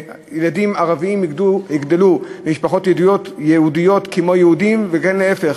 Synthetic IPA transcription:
jeladimaʁaviimuhiɡd̪elumiʃpaχo̞t̪jedijotjehudijo̞tkemo̞jehudimveɡanleefeχ

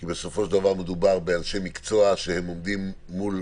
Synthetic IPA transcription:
kibe̞sofo̞ʃd̪avaʁme̞d̪ubaʁbealʃe̞mikt͡so̞aʃehe̞mo̞md̪imː | ul

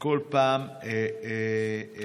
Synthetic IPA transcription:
kolpamee

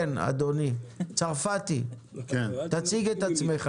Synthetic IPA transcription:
na̰d̪onit͡saʁfat̪i | ket̪at͡siɡet̪at͡smeχ

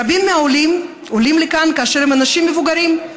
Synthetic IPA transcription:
abimːeaolim | olimlekankaaʃeʁhemanaʃimːevuɡaɾim

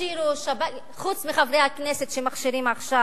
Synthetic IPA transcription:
iɾuʃaba | χut͡smiχavʁejhakneset̪ʃemaχʃiɾimaχʃa

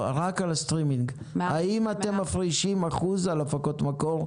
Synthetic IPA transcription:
ʁakalast̪ʁimiŋɡ | haimat̪e̞mːafʁiʃimaχuzalofako̞t̪mako̞ʁ

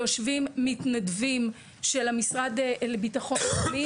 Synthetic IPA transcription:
joʃvimːitnadvim | ʃe̞lamisʁad̪lebitaχo̞nli

